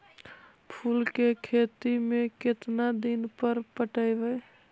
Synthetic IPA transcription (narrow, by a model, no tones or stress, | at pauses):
pʰulkekʰet̪imeket̪nad̪inpəɾpəʈəɪbəj